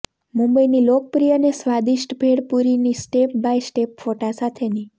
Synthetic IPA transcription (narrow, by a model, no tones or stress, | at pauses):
mumbəinilok̚pɾijənesʋad̪iʃʈbʱeɽpuɾinisʈep̚bajsʈepfoʈãsat̪ʰeni